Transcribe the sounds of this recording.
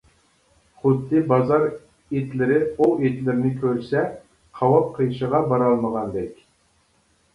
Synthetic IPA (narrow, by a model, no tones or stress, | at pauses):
χʊd̪ːɨbɑzɑɾ | et̪lɪɾɪuet̪lɪɾɪnɪkʲʰøɾsɛ | qʰɑwɑp̚qʰəjʃəʁɑbɑɾɑlˠməʁɑnd̪ɛkʲ